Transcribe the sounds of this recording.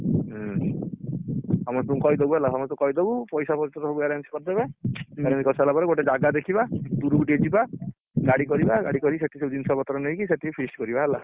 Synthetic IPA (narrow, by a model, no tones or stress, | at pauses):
hɔmɔst̪ũkɔjd̪ebuɦelaɦɔmɔst̪ũkɔjd̪ɔbupɔjsapɔɾt̪ɔt̪ɔɦɔbueɾenskɔɾd̪ebaeɾensikɔsɦelapɔɾeɡoʈed͡ʒaɡad̪ekʰibad̪uɾuuʈied͡ʒiba | ɡaɽikɔɾibaɡa̰ɽikɔɾiseʈʰisewd̪insɔbɔt̪ɔɾɔnɔjkiseʈipʰiskɔɾibaɦela